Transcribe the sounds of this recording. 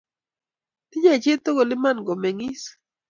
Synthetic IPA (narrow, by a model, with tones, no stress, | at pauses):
t̪ɪ˦ɲa˦˨d͡ʒe˦t̪o˦ɡo˨lɪ˦ma˦nɡo˨me˨ŋɪ˦s